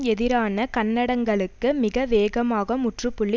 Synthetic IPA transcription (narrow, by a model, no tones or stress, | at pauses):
ɛðɪɾaːnɐkɐnːɐɽɐŋɡɐɭɯkːɯmɪɣɐʋeːɣɐmaːɣɐmʊʈrɯpːʊɭːɪ